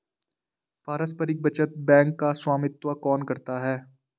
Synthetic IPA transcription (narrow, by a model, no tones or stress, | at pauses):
paːɾəspəɾɪk̚bɐt͡ʃət̪̚bɛ̃ːŋkːaswaːmɪt̪wakɔːnkɐɾt̪aɦɛː